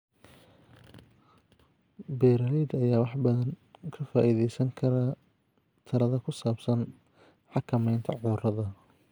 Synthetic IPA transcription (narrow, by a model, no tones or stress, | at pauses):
bɛːɾɐɾɛjd̪ɐjaːwɑħbɐðɐnkʰɐfaːʔiːðɛjsɐŋkʰɐɾɐ | t̪ʰɐɾɐðɐkʰʊsaːbsɐn | ħɑkʰɐmɛjnt̪ʰɐʕʊːrɐðɐ